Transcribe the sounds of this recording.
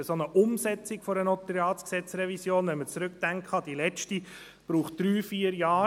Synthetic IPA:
əsonəʔʊmsɛt͡sɪkfɔɾənɔt̪ɾɛɑːtsksɛt͡sɾɛvisjoːnʋɛnmət͡sɾʉk̚d̥æŋkhɑd̪ilɛt͡ʃti | b̥ɾuːχd̥ɾyːfiːəɾjɑː

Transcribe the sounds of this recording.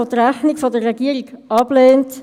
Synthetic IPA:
otərɾæχniɡfodərːɛɡiəɾiɡɑb̥leːnt

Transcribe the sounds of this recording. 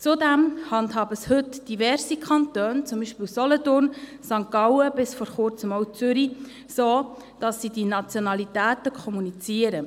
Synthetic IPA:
t͡sudæmhɑndhɑːbəshɵtd̥ivɛɾsikʰɑntøːnt͡sʊmbiːʃpɪwsɔlɔtʊrnsɑŋkɑwəbɪsfɔɾχʊɾt͡səmɔʊt͡sʏɾi | soː | d̥ɑsːidinɑt͡sjɔnɑlitæːtəkʰɔmunit͡siəɾə

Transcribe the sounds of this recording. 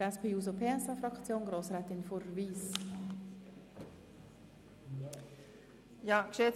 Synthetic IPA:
ɛspʰeːuːz̬opʰeːɛsɑfɾɑkt͡sjoːnɡɾoːsɾɛːt̪ɪnfoɾviːs | jɑːkʃɛ

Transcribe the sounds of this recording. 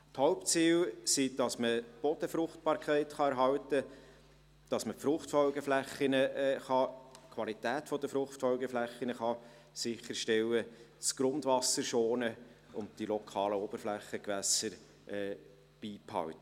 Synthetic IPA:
thɔʊpt͡siːlsid̥ɑsməb̥ɔd̥̪əfɾʊχt̚bɑːɾkʰχæɪtχɑɛɾɦɑwtə | d̥ɑsməpfɾʊχtfɔʊɡəflæχɪnəχɑkʰʋɑlitæːtfɔd̪əfɾʊχtfɔwɡəflæχɪnəχɑ | sɪχəɾʃtɛwə | skɾʊndvɑsəɾʃoːnəʊnt̚tilɔkʰɑːləɔb̥əɾflæχəkʋæsəɾ | ʔɛː | b̥iːpʰhɑ̰wt̪

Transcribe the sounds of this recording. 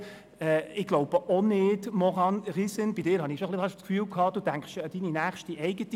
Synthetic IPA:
ɛːɪɡ̥loʊb̥əʔonɪdmɔʁɑnʁisɪnbidɪːɾhɑnɪkʃoχlɪhɑʃskfyːlkʰɑːd̥uːdæŋkχʃd̥iːninæːχʃtiʔɛɪɡəti

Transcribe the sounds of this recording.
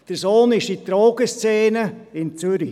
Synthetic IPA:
d̥əɾsoːnɪʃdit̪ɾoːɡ̥əst͡seːnəɪnt͡syɾi

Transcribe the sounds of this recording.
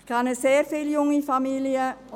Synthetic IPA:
kʰɑnəseːrfeljʊŋifamiliə

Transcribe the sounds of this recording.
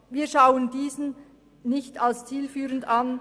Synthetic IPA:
viːɐʃaʊəndiːzn̩ | nɪçtalst͡siːlfyːʁəndan

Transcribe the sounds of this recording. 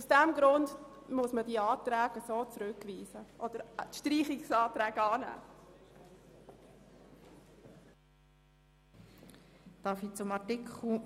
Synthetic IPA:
usd̥ɛmɡɾʊnd | mʊsmədiəɑːtɾæːɡəsoːt͡sɾʏkʋiːsəʔɔd̥əɾtʃtriːχɪksɑːt̪ɾɛːɡɑːnæ̰ː | d̥ɑfit͡sʊmɑtɪkʰl̩

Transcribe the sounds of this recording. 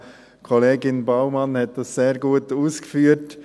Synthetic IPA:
kʰɔleːɡɪnbaʊmɑnhɛt̚d̥ɑsːeːɾɡuːtuːsɡ̥əfyːt

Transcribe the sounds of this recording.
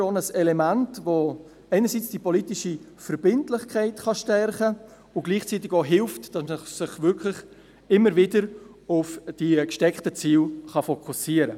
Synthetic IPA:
onəsɛlemantvo | æɪnəɾsit͡sd̥ipolitɪʃi | fəɾb̥ɪntlɪχkʰaɪtχɑʃtɛrχə | ʊɡ̥liːχt͡siːt̬ɪɡoɦɪlftd̥ɑsməsɪχvʏɾkʰlɪχ | ɪmːəɾvɪdəɾ | ʊfd̥ikʃtɛkχtət͡siːlχɑfokʰusiːəɾə

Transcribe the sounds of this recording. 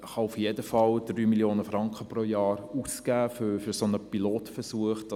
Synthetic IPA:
χɑufjedəfɑld̥ryːmiljoːnəfɾɑŋkχəprojɑːɾusɡ̥æːfʏfʏɾsonəpiloːtfəɾsuəχd̥

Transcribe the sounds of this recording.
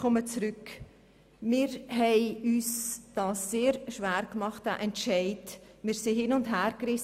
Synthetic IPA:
ɔmət͡sɾʏk | mɪːɾɦɛɪyːsd̥ɑːsːeːɾʃʋæːɾkmɑχtæ̰ʔɛntʃɛɪtmɪːɾsihɪnʊndɦæːɾkrɪs

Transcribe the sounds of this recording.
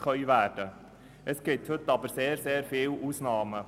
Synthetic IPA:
χœʏʋæːd̥ə | ʔɛsɡ̥ɪt̪hɵt̪ɑbəɾseːɾseːɾfiːlʔuːsnɑːmə

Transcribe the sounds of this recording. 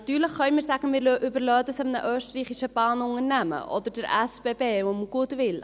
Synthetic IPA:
tyːrləkχœwmərsækənəʔybərlœːdəsəmnəʔœːstəriːχisəbɑːnɔŋərnæmə̰ʔɔ̰dərdəɾæsbebeːvumɡutvil

